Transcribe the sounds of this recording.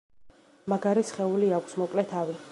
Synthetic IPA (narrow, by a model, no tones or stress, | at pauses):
maɡaɾisχɛuliakʷʰsmɔkʼlɛt̪ʰavi